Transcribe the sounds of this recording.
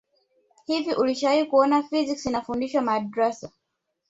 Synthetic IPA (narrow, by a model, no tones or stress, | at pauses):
hivjiʔuliʃaaikuɔnafiziksinafundiʃwamaːdɾɛsa